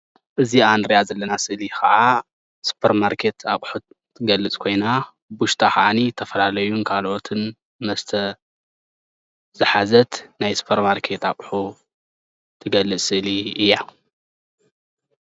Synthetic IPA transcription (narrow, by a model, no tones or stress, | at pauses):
ʔɨziand̪ɾijazɐlːɐnasɨʔlixɐʕa | su̥pʰɐɾmaɾkʰe̞t̪ʰakʼħu | t̪ʰɨɡɐlːɨt͡sʼkʰo̞jna | buʃt̪ʰaxɐʔanit̪ʰɐfɐlalɐjunkʰalʔo̞t̪ʰɨn | mɐst̪ʰɐ | z̥ɨħazɐt̪najsu̥pʰɐɾmaɾkʰe̞t̪a̰χʼħu | t̪ʰɨɡɐlːɨt͡sʼsɨʔliɨjːa